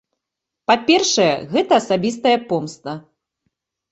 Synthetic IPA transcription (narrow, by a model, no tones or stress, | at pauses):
papʲɛrʂɐjɐ̰ɣɛt̪ɐːsabʲist̪ɐjɐpɔmst̪ɐ